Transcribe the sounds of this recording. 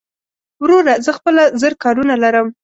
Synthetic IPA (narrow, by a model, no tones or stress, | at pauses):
wɾoɾazəxpəlazəɾkɑɾunalaɾəm